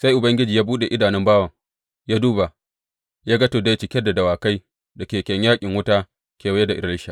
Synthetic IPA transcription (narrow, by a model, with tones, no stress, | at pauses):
sa˦jʔʊ˨bɐ˦ŋɡʲɪ˦d͡ʒiː˨jaː˦buː˦ɗe˨ʔɪ˦daː˨nɪ˦mbaː˦wa˨ | jaː˦duː˦ba˨ | jaː˦ɡɐ˦to˨da˦jt͡ʃɪ˨kʲɛ˦da˨dɐ˨waː˨ka˦j | dɐ˨kʲeː˨kʲɛ˨ɲjaː˦kʲʼɪ˨ŋwʊ˦taː˦ | kʲeː˨wa˦jɛ˦da˨ʔɪ˨ɾɐ˦lɪ˦ʃa˨